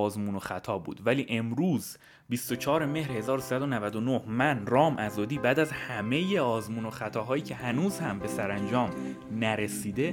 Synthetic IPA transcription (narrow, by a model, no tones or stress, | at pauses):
zmuːno̞xæt̪ʰɒːbṵːd̪væliːʔe̞mɾuːz | bist̪o̞t͡ʃʰɒːɾe̞me̞hɾhe̞zɒːɾosisæd̪o̞nævæd̪onohmænrɒːmʔæzɒːd̪iːbæːd̪æzhæme̞jeɒːzmuːno̞xæt̪ʰɒːɦɒːjiːcʰe̞hænuːzhæmbe̞sæɾænd͡ʒɒːm | næɾe̞siːd̪e̞